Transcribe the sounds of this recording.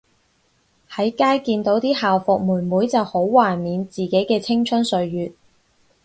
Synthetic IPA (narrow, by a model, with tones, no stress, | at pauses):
hɐ˨˥jkaː˥jkiː˧nt̪o˨˥wt̪iː˥haː˨wfɔ˨k̚muː˨˩nmuː˨˥jt͡sɐ˨who˨˥wːaː˨˩jmiː˨˧nt͡siː˨˩ke˨˥jkɛː˧t͡sʰɪ˥ŋt͡ʃʰɵ˥nsɵ˨˧ɥjyː˨t̚